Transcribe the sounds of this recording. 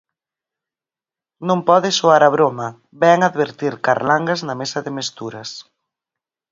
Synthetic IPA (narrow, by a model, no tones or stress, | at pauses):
nõmpɔðɪsoaɾaβ̞ɾomɐ | bɛŋaðβeɾt̪iɾkaɾlaŋɡaznɐmesɐðɪmest̪uɾɐs